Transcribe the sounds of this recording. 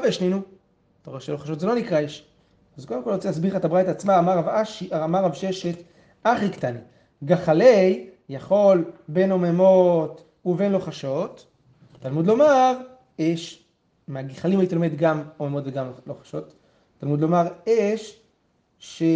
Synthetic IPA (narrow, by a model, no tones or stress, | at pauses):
aveʃlenu | t̪oʁeʃelo̞χaʃo̞tzelo̞nikʁaeʃ | azko̞d̪emkolʁot͡sejasbiχaet̪abʁajt̪at͡smaːmaʁavaʃaamaʁavʃeʃet̪ | aχikt̪ani | ɡaχale̞j | jaχo̞lbe̞no̞memo̞t | uve̞nlo̞χaʃo̞t̪ | talmud̪lo̞maʁ | eʃ | meaɡiχalimhajit̪ilo̞med̪ɡamomemot̪veɡamloχḁʃo̞t̪ | tːalmud̪lo̞maʁeʃː | e